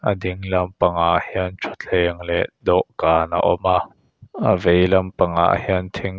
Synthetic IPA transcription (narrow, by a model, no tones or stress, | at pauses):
ʔədiŋlɐmpaŋaʔhɛənt͡ʃʰut͡ɬʰɛːŋlɛʔd̪ɔʔkaːna̰ʔɔma | ʔəvejlɐmpaŋa̰ʔhɛnt̪ʰiŋ